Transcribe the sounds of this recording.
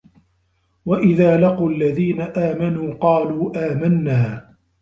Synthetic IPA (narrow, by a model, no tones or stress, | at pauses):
waʔɪðaːlɑquːalːaðiːnaʔaːmanuːqɑːluːʔaːmanːaː